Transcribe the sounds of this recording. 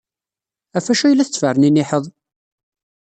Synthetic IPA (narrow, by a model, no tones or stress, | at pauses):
æfæʃæjlːæθət͡sːfərəninɪħəðˤ